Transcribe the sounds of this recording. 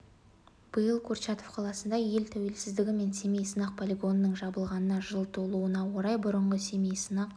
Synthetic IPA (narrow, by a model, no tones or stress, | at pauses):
b̥əjəlˠkʰoɾʃɑt̪o̞fqʰɑlˠɑsənd̪ɑje̞lt̪ʰæwe̞lsɪzd̪ɪɡʲɪme̞nse̞mejsənɑq̚pʰolʲiɡo̞nːəɴʒɑbəlˠʁɑnənɑʒəlˠt̪ʰolˠuənɑwoɾɑjbʊɾəɴʁəse̞mejsənɑq